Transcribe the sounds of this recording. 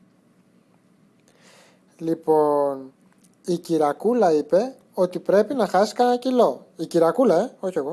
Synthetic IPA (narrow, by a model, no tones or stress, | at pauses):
lipo̞n | iciɾɐkulɐipe̞ | o̞t̪ipɾe̞pinɐxɐsi̥kɐnɐcilo̞iciɾɐkulɐeo̞çieɣo̞